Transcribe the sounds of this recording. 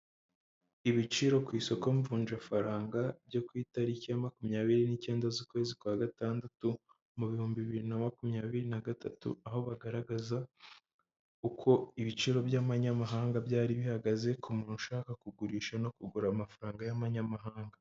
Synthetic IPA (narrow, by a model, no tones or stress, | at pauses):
iβit͡ʃiɾo̞kwiːso̞ko̞ɱvuːnd͡ʒafaɾaːŋɡabjo̞kwiːtaɾicijamakumɲaːβiɾinice̞ːndazuːkwe̞ːzikwaːɡataːndatu | muβihuːmbiβiɾinamakumɲaːβiɾinaɡatʰatṵaho̞βaɡaɾaɡaza | ukʰo̞iβit͡ʃiɾo̞bjamaɲamaɦaːŋɡabjaːɾiβihaɡaze̞kʰumuːnuʃaːkakuɡuɾiːʃano̞kuɡuɾamafaɾaːŋɡajamaɲamaɦaːŋɡa